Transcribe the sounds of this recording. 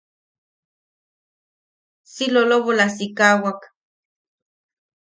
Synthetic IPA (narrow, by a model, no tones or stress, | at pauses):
siloloβolasikawak